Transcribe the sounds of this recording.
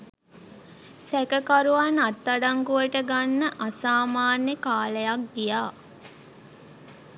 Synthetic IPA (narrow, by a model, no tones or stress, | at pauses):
sɛkəkaɾuʋanat̪ːaɖaŋɡuʋəʈəɡanːəʔasaːmaːnəkaːləjak̚ɡijaː